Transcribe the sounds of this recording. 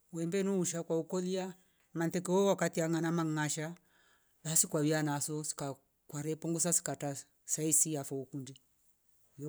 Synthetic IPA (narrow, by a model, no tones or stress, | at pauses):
wɛmbɛnuːʃakwaukɔlia | mantɛkɛɔwakatiaŋanamaŋŋaʃa | ðasikwaβianasɔsi̥ka | kwaɾɛpɔŋɡusasi̥kata | saisiafɔukundi